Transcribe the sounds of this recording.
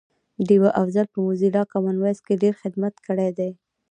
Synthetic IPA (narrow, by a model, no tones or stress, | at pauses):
ɖiwaʔafzalpəmuzilɑkamanwaskeɖeɾxɪd̪mat̪kəɽejd̪aj